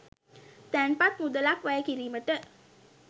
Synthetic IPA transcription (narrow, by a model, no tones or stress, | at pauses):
t̪ɛnpat̪̚mud̪əlakʋajəkiɾiməʈə